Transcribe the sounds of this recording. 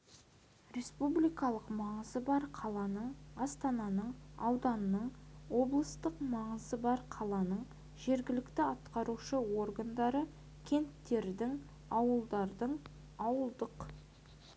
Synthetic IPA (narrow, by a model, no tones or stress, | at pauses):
ɾʲe̞spublijkɑlˠəqmɑɴəzəbɑɾqʰɑlˠɑnəɴɑst̪ɑnɑnəɴɑwd̪ɑnːəɴwo̞blˠəst̪əqmɑɴəzəbɑɾqʰɑlˠɑnəɴ | ʒ̥e̞ɾɡʲɪlɪkt̪ɪɑt̪qɑɾuʃəwo̞rɡand̪ɑɾə | kʲʰe̞nt̪ːe̞ɾd̪ɪŋ | ɑwəlˠd̪ɑɾd̪əɴ | ɑwəlˠd̪əq